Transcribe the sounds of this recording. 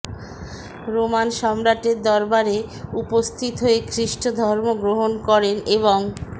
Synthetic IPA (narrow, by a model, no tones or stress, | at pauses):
ɾomanʃɔmɾaʈeɾd̪ɔɾbaɾeupost̪ʰit̪ɦoekɾiʃʈod̪ʱɔɾmoɡɾoɦonkɔɾeneβoŋ